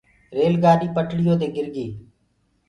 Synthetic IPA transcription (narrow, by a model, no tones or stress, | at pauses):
ɾeːlɡaːɗiːpəʈʰɽɪjoːt̪eːɡɪɾɡiː